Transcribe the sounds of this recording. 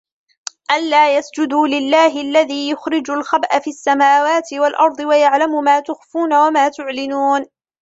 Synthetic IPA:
ʔalːaːjasd͡ʒʊd̪uːlɪlːaːɦɪalːaðiːjʊxɾɪd͡ʒʊlxabʔafiːasːamaːwaːt̪ɪwalʔɑɾˤd̪ˤɨwajaʕlamʊmaːt̪ʊxfuːnawamaːt̪ʊʕlɪnuːn

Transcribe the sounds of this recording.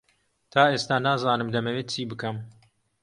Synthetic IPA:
t̪ʰaːʔeːst̪aːnaːzaːnɨmd̪ɐmɐweːt̪̚t͡ʃʰiːbɨkɐm

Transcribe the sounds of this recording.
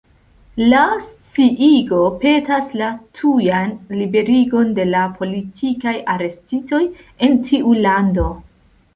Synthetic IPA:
last͡siʔiɡo̞pe̞taslatʰujanlibe̞ɾiɡo̞nde̞lapʰo̞litʰikajaɾe̞stito̞j | e̞ntʰiʔulando̞

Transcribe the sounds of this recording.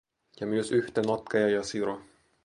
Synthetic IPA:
jɑmyøsyht̪enɑt̪kɑjɑjɑsiɾo

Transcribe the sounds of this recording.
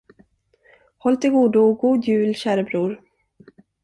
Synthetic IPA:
hɔlt̪ɪlɡuːd̪ʊɡuːd̪jʉ̟ːlɕæːɾəbɾuːɾ

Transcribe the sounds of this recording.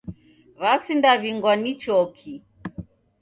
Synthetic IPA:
βasindaβiŋɡwanit͡ʃɔkʰi

